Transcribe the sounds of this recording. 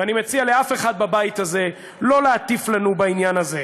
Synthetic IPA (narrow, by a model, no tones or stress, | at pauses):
animet͡sialeafe̞χad̪̚babajit̪aze̞ | lo̞leːt̪iflanubainjanaze